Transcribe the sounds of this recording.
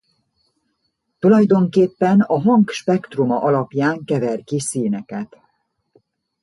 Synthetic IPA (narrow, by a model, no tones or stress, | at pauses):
t̪ulɒjd̪o̞ŋkeːpːɛnɒɦɒŋkʃpɛkt̪rumɒʔɒlɒpjaːŋkɛvɛrkisiːnɛkɛt̪